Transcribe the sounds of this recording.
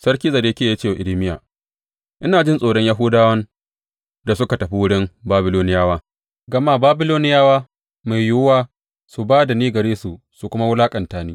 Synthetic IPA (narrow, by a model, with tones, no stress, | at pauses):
sɐ˦ɽkʲiː˦zɐ˨deː˦kʲeː˦˨ja˦t͡ʃeː˦˨wa˨ʔɪ˨lɪ˦mɪ˦ja̰ː˨ | ʔɪ˦naː˨d͡ʒɪ˦nsʼoː˨ɽɔ˦ɲja˦ɦuː˦daː˦wɐ˦n | da˨sʊ˦ka˨tɐ˨ɸi˦wʊ˦ɽɪ˦mbaː˦bɪ˦loː˦nɪ˦jaː˦waː˦ | ɡɐ˨maː˦˨baː˦bɪ˦loː˦nɪ˦jaː˦waː˦ | ma˨jjʊ˦waː˦ | su˨baː˦da˨niː˦ɡɐ˨ɽeː˦su˨ | su˨kʷʊ˦ma˦wʊ˦laː˦kʼɐ˨ntaː˨niː˦